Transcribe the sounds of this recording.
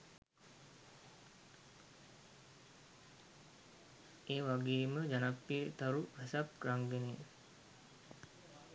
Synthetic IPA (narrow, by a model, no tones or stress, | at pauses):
eːʋaɡeːməd͡ʒanapːiet̪aɾuʋɛsapkɾaŋɡeneː